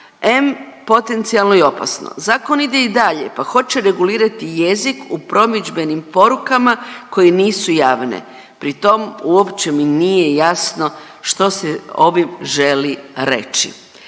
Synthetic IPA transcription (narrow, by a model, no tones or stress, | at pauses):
empo̞t̪e̞nt̪sialˠnoio̞pa̰sno̰zaːko̞nid̪e̞id̪aʎepaxo̞t͡ʃe̞ɾe̞ɡuliːɾat̪ije̞zikupɾo̞mid͡ʒbe̞nimpo̞ɾukamako̞jeniːsujaːʋnḛ | pɾit̪o̞muopt͡ʃeminijejasno̞ | ʃt̪o̞seo̞ʋimʒe̞liɾe̞̰t͡ʃḭ